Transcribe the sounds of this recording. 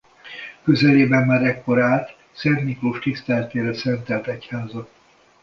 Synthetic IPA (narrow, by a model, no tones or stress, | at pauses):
køzɛleːbɛmːaːɾɛkːo̞ɾaːt̪ | sɛrnikloːʃt̪ist̪ɛlɛt̪eːɾɛsɛnt̪ɛlt̪ɛchaːzɒ